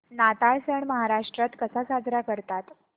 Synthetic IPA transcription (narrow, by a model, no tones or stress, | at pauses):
nat̪aɭsəɳməɦaɾaʂʈɾat̪kəsasad͡zɾakəɾt̪at̪